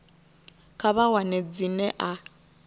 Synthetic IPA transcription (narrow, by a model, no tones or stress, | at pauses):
kʰaβawanɛd͡zinɛʔa